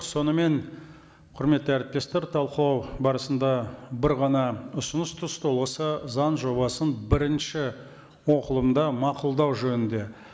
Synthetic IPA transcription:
so̞nəme̞n | qʰʊɾme̞t̪ːəæɾɪp̚t̪e̞st̪e̞ɾt̪ʰɑlˠqəlˠɑwbɑɾəsənd̪ɑbɪɾʁɑnɑʊsənəst̪ʰʊst̪ʰolˠʁəsəzɑnʒo̞bɑsənbɪɾɪnʃɪ | wo̞qəlˠəmd̪ɑmɑqʊlˠd̪ɑwʒɵnɪnd̪e̞

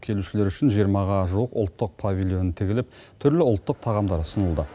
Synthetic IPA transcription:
kʲʰe̞luʃɪle̞ɾʏʃɪnʒijəɾmɑʁɑʒuəqʊ̰lˠt̪ːəq̚pʰavʲilʲˠjo̞nənt̪ʰɪɡʲɪlɪp̚t̪ʰʏɾlɪʊlˠt̪ːəq̚t̪ʰɑʁɑmd̪ɑɾʊsənəlˠd̪ə

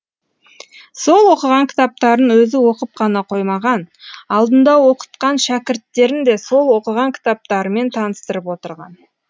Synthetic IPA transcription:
so̞lˠwo̞qəʁɑŋkʲʰɪ̥t̪ɑp̚t̪ɑɾənwɵzɪwo̞qəp̚qʰɑnɑqʰo̞jmɑʁɑnɑlˠd̪ənd̪ɑwo̞qə̥t̪qɑnʃækʲɪɾt̪ːe̞ɾɪnd̪e̞so̞lˠwo̞qəʁɑŋkʲʰɪ̥t̪ɑp̚t̪ɑɾəme̞nt̪ʰɑnəst̪əɾəpwo̞t̪əɾʁɑ̰n

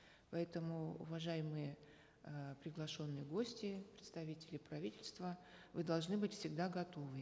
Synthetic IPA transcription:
pɐɛt̪əmʊʊ̰vɐʐajɪmɨjə | pɾʲɪɡlˠɐʂo̞nːɨjəɡosʲtʲɪpɾʲɪt̪st̪ɐvʲitʲɪlʲɪpɾɐvʲitʲɪlʲst̪və | vɨd̪ɐlˠʐnɨbɨtʲfsʲɪɡd̪aɡɐt̪ovɨ

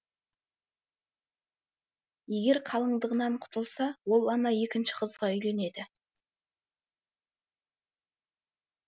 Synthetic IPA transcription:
je̞ɡʲe̞ɾqʰɑlˠəɴd̪əʁənɑɴqʰʊ̥t̪əlˠsɑwo̞lˠɑnɑje̞kʲɪnʃɪ̥qʰəzʁɑʏjle̞ne̞d̪ɪ

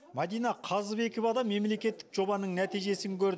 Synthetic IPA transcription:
mɑd̪ijnɑqʰɑzbe̞kʲovɑd̪ɑme̞mle̞kʲe̞t̪ːɪ̥kʒo̞bɑnəɴnæt̪ijʒe̞sɪŋkʲʰɵɾd̪

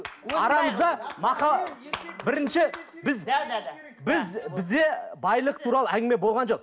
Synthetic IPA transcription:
ɑɾɑməzd̪ɑmɑqɑ | bɪɾɪnʃɪbɪz | bɪzbɪzd̪e̞bɑjlˠəqt̪ʰuɾɑlˠəæŋɡʲɪme̞bo̞lˠʁɑnʒo̞q

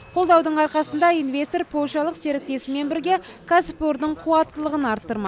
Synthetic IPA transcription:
qʰo̞lˠd̪ɑwd̪əɴɑɾqɑsənd̪ɑijnve̞st̪oɾpʰo̞lʲʃɑlˠəqse̞ɾɪk̚t̪e̞sɪme̞nbɪɾɡʲe | kʰaspoɾd̪əɴqʰuwɑt̪ːəlˠəʁənɑɾt̪ːəɾmɑ

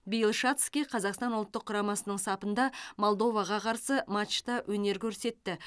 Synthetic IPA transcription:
bijlˠʃat̪skʲijqʰɑzɑqst̪ɑnʊlˠt̪ːəqʰːʊɾɑmɑsənəɴsɑpənd̪ɑmo̞lˠd̪o̞vɑʁɑqʰɑɾsəmat͡ʃt̪ɑwʔɵne̞ɾkʲʰɵɾse̞t̪ːɪ

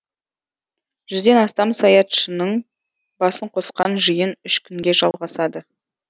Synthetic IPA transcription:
ʒ̥ʏzd̪e̞nɑst̪ɑmsɑjɑt̪ʃənəɴ | bɑsəɴqʰo̞sqɑnʒəjənʏʃkʲʰʏŋɡʲe̞ʒɑlˠʁɑsɑd̪ə

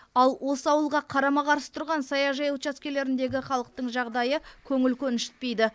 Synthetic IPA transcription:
ɑlˠwʔo̞səɑwəlˠʁɑqʰɑɾɑmɑʁɑɾsə̥t̪ʰʊɾʁɑnsɑjɑʒɑjut͡ʃɑskʲe̞le̞ɾɪnd̪e̞ɡʲɪχɑlˠəq̚t̪əɴʒɑʁd̪ɑjəkʲʰɵŋɪlkʲʰɵnɪʃɪ̥t̪̚pe̞jd̪ɪ

